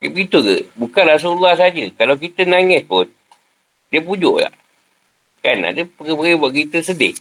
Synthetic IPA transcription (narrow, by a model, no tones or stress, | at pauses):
pɡit̪uɡə̰bukanras̬ulːahsad͡ʒəkalawkit̪ənaŋɪspʊn | diəpud͡ʒʊʔla̰ʔ | kana̰ʔdəpəɡəpəɡibaʔkit̪əsədɪ̰h